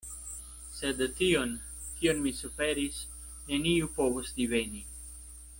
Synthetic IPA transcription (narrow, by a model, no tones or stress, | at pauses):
sed̪t̪ion | kionmisufeɾis | neniupovosdiveni